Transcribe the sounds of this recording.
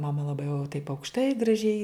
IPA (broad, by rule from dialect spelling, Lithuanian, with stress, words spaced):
mɐˈmɐ lˠɐˈbɐɪ jɛʊ tɐɪp ɐʊkʃˈtɐɪ ɡrɐˈʒʲɛɪ